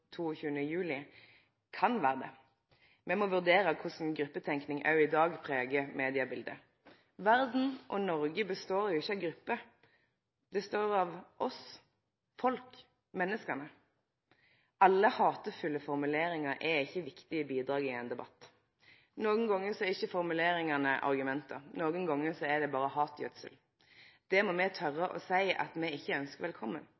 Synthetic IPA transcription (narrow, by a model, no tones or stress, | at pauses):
t̪ʰuːɔçʉːənəjʉːlɪ | kʰɑnʋæːʁəd̪ɛ̰ | mɛmɔʋʉʁd̪eːɾəkʰʊsn̩ɡɾʉpːət̪ʰɛŋknɪŋʔɑ̰ʉɪd̪ɑːɡpʰʁeːɡəmeːd̪ɪəbɪld̪ə̰ | ʋæʁd̪n̩ʔɔnɔʁɡəbəst̪oːɾjʊɪçːəɑʋɡɾʉpːə | d̪ɛst̪oːɾɑʋʔɔs | fɔlk | mɛnːəskɑnə | ʔɑlːəhɑːt̪əfʉlːəfɔʁmʉleːɾɪŋɑɾɛɪçːəʋɪkt̪ɪəbiːd̪ɾɑːɡɪɛnd̪ɛbɑt̪ː | noːɡənɡɔŋːəsɔɛɪçːəfɔʁmʉleːɾɪŋɑnəʔɑ̰ʁɡʉmɛnt̪ʰə̰ɾnoːɡənɡɔŋːəsɔɛd̪ɛbɑːʁəhɑːt̪ʰjœt̪sə̰l | d̪̥ɛmɔmɛt̪ʰœʁːəʔɔ̰sæɪʔɑ̰t̪mɛɪçːəœnskəʁʋɛlkʰɔmːən